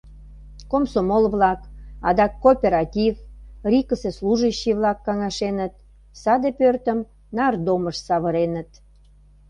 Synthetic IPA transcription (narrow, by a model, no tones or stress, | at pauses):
komsomolβlɑkɑ̰d̪ɑkːopʲeɾɑt̪ʲivrʲikəsesluʒəɕːiβlɑkːɑŋɑʃenət̪̚ | sɑd̪epørt̪əm | nɑrd̪oməʃsɑβəɾenət̪